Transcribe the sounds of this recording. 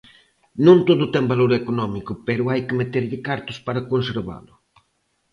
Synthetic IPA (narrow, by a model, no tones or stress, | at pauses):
nõnt̪oðʊt̪ɛŋbaloɾekonɔmikʊpɛɾʊajkɪmet̪eɾʎɪkaɾt̪ʊspaɾakonseɾβa̰lʊ